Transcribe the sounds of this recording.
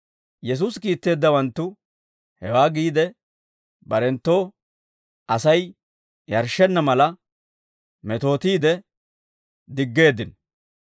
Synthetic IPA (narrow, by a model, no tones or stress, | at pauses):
jɛs̬uːskiːt̪ːe̞ːd̪ːɐwɐnt̪ːʊ | hɛwaːɡiːd̪ɛ | bɐɾɛnt̪ːo̞ː | ʔɐsɐj | jɐɾʃɛnːɐmɐlɐ | mɛt̪o̞ːt̪iːd̪ɛ | d̪ɪɡːe̞ːd̪ɪn